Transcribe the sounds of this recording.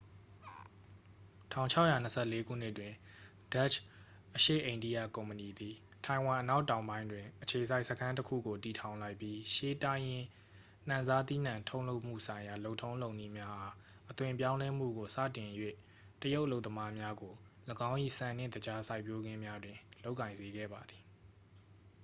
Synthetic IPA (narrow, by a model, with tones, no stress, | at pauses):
tʰã̰˦˨ʊ̃ɲt͡ɕʰa˦ʊʔja˨n̥əsʰɛ˦˨le˦ɡu˦˨n̥ɪ˦ʔtwɪ̃˨ | d̥a˦˨t͡ɕʰ | ʔəʃḛ˦˨ʔẽ˨ɪ̃ndi˦ja̰˦˨kõ˨mpəni˨d̪i˨tʰã˨ɪ̃wã˨ʔəna˦ʊtã˨ʊ̃mbã˦ɪ̃ndwɪ̃˨ʔət͡ɕʰe˨z̬sa˦ɪʔsəkʰã˦nt̬əkʰṵ˦˨ɡo˨ti˨tʰã˨ʊ̃la˦ɪpːji˦ʃe˦ta˦jɪ̃˨ | n̥ã˨nza˦t̪ḭ˦˨n̥ã˨ntʰõ˦ʊ̃lo˦ʊʔm̥ṵ˦˨sʰã˨ɪ̃ja˨lo˦ʊʔtʰõ˦ʊ̃lõ˨ʊ̃ni˦˨mja˦ʔa˦ | ʔət̪wɪ̃˨mp̬jã˦lɛ˦m̥ṵ˦˨ɡo˨sä̰˦˨tɪ̃˨jwḛ˦˨ | təjo˦ʊʔəlo˦ʊt̪əma˦mja˦ɡo˨ | ləɡã˦ʊ̃ʔḭ˦˨sã˨nɪ̰̃˦˨d̪əd͡ʑa˦sa˦ɪpjo˦ɡɪ̃˦mja˦dwɪ̃˨lo˦ʊʔkːã˨ɪ̃nze˨ɡɛ̰˦˨ba˨d̪i˨